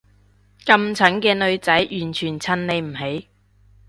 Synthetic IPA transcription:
kɐ˧mt͡sʰɐ˨˥nkɛː˧nɵ˧ɥt͡sɐ˨˥jjyː˨˩nt͡ʃʰyː˨˩nt͡sʰɐ˧nle˨˧jm̩˨˩ɦe˨˥j

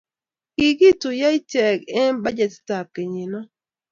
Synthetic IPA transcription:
ki˨ɡi˦tʊ˨ja˦i˦t͡ʃɛ˨kɛ˦n˦ba˦d͡ʒɛ˨tta˨p̚ke˨ɲi˨nɔ˦

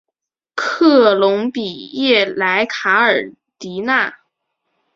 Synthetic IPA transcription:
kʰɤ˥˩lʊ˧˥ŋpi˨˩jɛ˥˩la˧˥ɪkʰa˧˥ə˞˨˩ | t̪i˧˥na˥˩

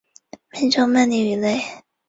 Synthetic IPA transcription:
mi˧˥nʈ͡ʂo˥˧ŋma˥˩ni˥˩y˧˩le˥˩ɪ

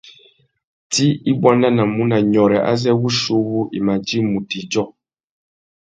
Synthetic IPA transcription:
ti˦i˦bwa˦na˦na˨mu˦na˨ɲɔ˨ɾɛ˨ʔa̰˦zɛ˦wu˦ʃo˦βu˦ʔḭ˨ma˨d͡ʒi˦mu˨ti˨d͡ʒɔ˦

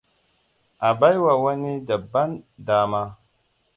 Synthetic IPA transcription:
a˨ba˦jwa˨wa˦ni˦da˨bːa˦ndaː˦ma˦

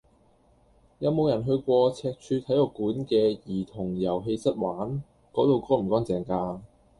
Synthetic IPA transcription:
jɐ˨wmo˨˧wjɐ˨˩nɦɵ˧ɥkʷɔː˧t͡sʰɛː˧k̚t͡ʃʰyː˧t̪ʰɐ˨˥jɔː˧kuː˨˥nkɛː˧jiː˨˩t̪ʰʊ˨˩ŋjɐ˨˩wɦe˧jsɐ˥t̚waː˨˥n | kɔː˨˥t̪o˨˧wkɔː˥m̩˨˩kɔː˥ŋt͡sɛː˨˩ŋkaː˧

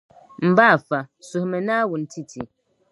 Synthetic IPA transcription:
m̩˨ba˦˨fa˨su˨hmɛ˨na˦wu˨n˨ti˦˨tʰi˨

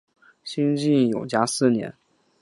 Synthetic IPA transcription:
ɕi˥nt͡ɕi˥˩njo˨˩ʊt͡ɕja˥sɹ̩˥˩njɛ̰˧˥n

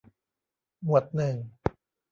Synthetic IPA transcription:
mu˨˩ət̪̚nɯ˨˩ŋ

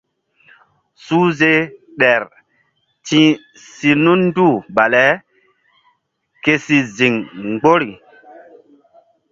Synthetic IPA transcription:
su˦ze˦ | ɗɛ˨ɾ | tĩ˦ | si˨nu˦nn˦du˦˨ba˨lɛ˦ | ke˦si˨zi˨ŋŋ͡mɡ͡bo˦ɾi˨

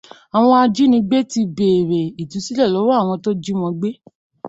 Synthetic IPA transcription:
a˨w̃ɔ̃˧a˧d͡ʒi˦nĩ˧ɡ͡be˦ti˧beː˨ɾe˨i˨tũ˨˦si˦lɛ˦˨lɔ˨˦wa˦a˦˨w̃ɔ̃˧to˦d͡ʒi˦w̃ɔ̃˧ɡ͡be˦

